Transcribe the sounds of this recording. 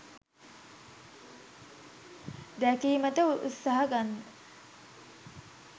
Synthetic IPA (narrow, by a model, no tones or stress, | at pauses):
d̪ækiːmət̪əʔṵt̪saɦəɡanː